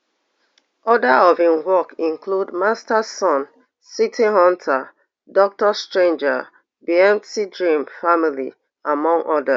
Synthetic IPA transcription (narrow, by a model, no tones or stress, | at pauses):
ɔdaɔvĩmwɔkĩŋkʰludmastasɔ̃n | sitʰiɦɔ̃ntʰa | dɔk̚təstɹẽnd͡ʒa | biɛ̃mtidɹĩmfamilḭ | amɔ̃ŋʔɔda